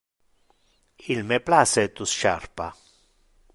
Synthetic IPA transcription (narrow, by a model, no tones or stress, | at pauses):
ilmeplaset̪usʃaɾpa̰